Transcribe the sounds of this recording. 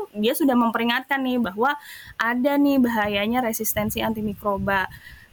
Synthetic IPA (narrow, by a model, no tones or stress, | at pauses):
diasudahməmpəɾiŋat̪̚kanːɪhbaɦwaʔadanɪhbaɦajaɲaɾesist̪ɛnsiant̪imikɾoba